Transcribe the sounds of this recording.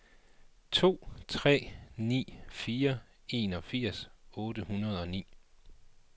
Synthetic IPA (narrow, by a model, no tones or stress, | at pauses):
t͡sʰo̝̰ːt͡sʰʁɛ̰ːnḭːfiːɐ | e̝ːnɒ̽fiɐ̰sɔ̽ːd̥əhunɐð̞̩ˠɒ̽nḭː